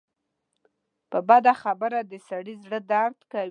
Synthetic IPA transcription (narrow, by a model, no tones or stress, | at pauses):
pəbad̪axabəɾad̪əsaɽizɽəd̪aɾd̪ka